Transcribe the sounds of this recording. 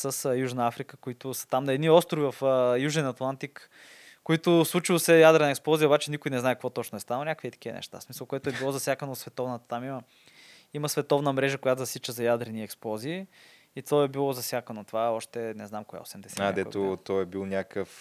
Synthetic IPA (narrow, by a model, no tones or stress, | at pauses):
səsjuʒnəafɾikəkoit̪ʊsɐ̥t̪amnɐɛd̪niɔst̪ɾʊvivɐfjuʒɛnɐt̪lˠant̪ikː | oit̪ʊslˠut͡ʃilˠsɛjad̪ɾɛnəɛksplˠɔzijəobat͡ʃɛnikʊjinɛznaɛkvɔt̪ɔt͡ʃnʊɛst̪anlˠnʲakviɛt̪ɐ̥kivə̰nɛ̰ʃt̪a̰smisəlˠkʊɛt̪ʊɛbilˠɔzɐsjakənosvɛt̪ɔvnət̪ət̪amimə | iməsvɛt̪ɔvnəmɾɛʒəkʊjat̪ʊzɐsit͡ʃəzɐjad̪ɾɛniɛksplˠɔziː | t̪vɔɛbilˠɔzɐsʲjakənot̪ovaɔʃt̪ɛnɛznamkʊɡa̰o̰sɛmd̪ɛsɛad̪ɛt̪ot̪ɔɛbilˠnʲakəf